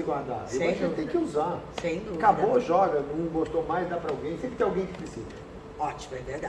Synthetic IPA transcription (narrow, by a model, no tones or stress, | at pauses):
ɪɡwaɾd̪a̰ẽsĩɐ̃t̪ẽj̃kɪuzasẽj̃d̪ukaboʒɔɡɐnɐ̃w̃bost̪omajzd̪apɾɐawɡẽj̃sẽpkɪt̪ẽawɡẽj̃d͡ʒɪ̥pɾisḭzɐ | ɔt͡ʃi̥mɐd̪ed̪a